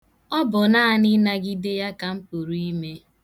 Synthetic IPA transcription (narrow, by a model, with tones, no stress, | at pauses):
ɔ˦bʊ˨naː˦a˦nɪ˦na˦ɡi˦de˦ja˦ka˨m̩˦pu˨ɾu˨˦i˦me˦